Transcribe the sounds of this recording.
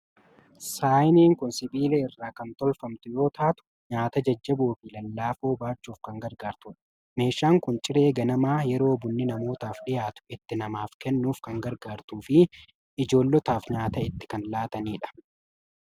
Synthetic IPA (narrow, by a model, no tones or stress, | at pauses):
saːjniːŋkʊnsɪbiːlɛɪrːaːkɐnt̪ɔlfɐmt̪ʊjo̞ːt̪ʰaːt̪ʊ̥ | ɲaːt̪ɐd͡ʒɐd͡ʒːɐbuːfɪlɐlːaːfo̞ːbaːt͡ʃːuːfkɐŋɡɐɾɡaːɾt̪ʊːᶑɐ̥ | me̞ːʃːaːŋkʊnt͡ʃʼɪɾe̞ːɡɐnɐmaːjɛɾo̞ːbʊnːɪnɐmo̞ːt̪aːfɗɪjaːt̪ʊ̥ɪt̪ːɪnɐmaːfkɛnːuːfkɐŋɡɐɾɡaːɾt̪uːfɪ | ɪd͡ʒo̞ːlːɔt̪aːfɲaːt̪ɐɪt̪ːɪ̥kɐnlaːt̪ɐniːᶑɐ̥